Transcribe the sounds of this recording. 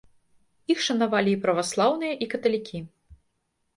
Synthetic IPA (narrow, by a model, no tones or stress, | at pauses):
ixʂɐnavalʲiːpɾɐvaslˠawnɨjɐʔikɐt̪ɐlʲikʲʰi